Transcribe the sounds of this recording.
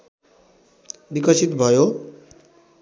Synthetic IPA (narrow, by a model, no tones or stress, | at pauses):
bikʌsit̪bʱɔjo